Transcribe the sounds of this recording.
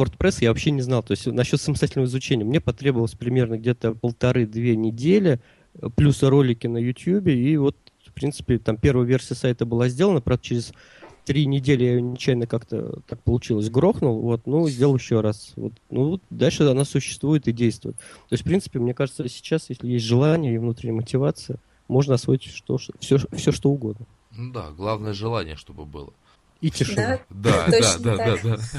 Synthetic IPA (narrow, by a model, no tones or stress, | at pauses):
vort̪pɾɛsjavɐpɕːenʲɪznɑlˠt̪o̞ɪsʲtʲnɐɕːot̪səmʲɪsatʲɪlʲnəvəɪzʊt͡ɕenʲɪjəmnʲepɐt̪ɾʲebəvəlˠəsʲpɾʲɪmʲe̞rnəɡ̚dʲet̪əpəlˠt̪ɐɾɨd̪vʲenʲɪdʲelʲɪ | əplʲusəɾo̞lʲɪkʲɪnəjʊtʲjubʲɪivo̞t̪ | fpɾʲint̪sɨ̥pʲɪt̪ampʲe̞rvəjəvʲe̞rsʲɪjəsajt̪əbɨlˠazʲdʲe̞lˠənəpɾavd̪ət͡ɕɪɾʲɪs | t̪ɾʲinʲɪdʲelʲɪjajnʲɪt͡ɕæjnəkakt̪ə̰t̪ak̚pəlˠʊt͡ɕilˠəsʲɡɾo̞xnʊlˠvo̞t̪nuzʲdʲelˠjɪɕːoɾasvo̰t̪nud̪alʲʂɨɐnasʊɕːɪ̥st̪vujɪt̪ɪdʲejst̪vʊ̰jɪt̪t̪ːostfpɾʲint̪sɨ̥pʲɪmnʲe̞kaʐɨt̪səsʲɪ̥t͡ɕasjesʲlʲɪjes̬ʲtʲʐɨlˠanʲɪjəivnut̪ɾʲɪnʲɪjəmətʲɪvat̪sɨə | mo̞ʐnəɐsvoɪtʲʂt̪oʂfsʲofsʲoʂt̪oʊɡo̞d̪nə | nud̪a̰ɡlˠavnəjəʐɨlˠanʲɪ̰jəʂt̪o̞bɨ̰bɨ̰lˠə | itʲɪʂɨnod̪a̰d̪ad̪ad̪ad̪a